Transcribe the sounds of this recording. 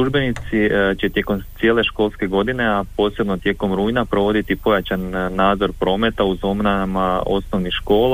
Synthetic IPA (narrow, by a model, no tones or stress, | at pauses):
uʒbe̞nit̪sit͡ɕe̞t̪je̞ko̞msije̞le̞ʃko̞lske̞ɡo̞d̪ine̞apo̞ːse̞bno̞t̪je̞ko̞mɾuːjnapɾo̞ʋo̞d̪it̪ipo̞jat͡ɕanːaːd̪zo̞ɾpɾo̞ːme̞t̪auzo̞mnamao̞sno̞ʋnixʃko̞ːla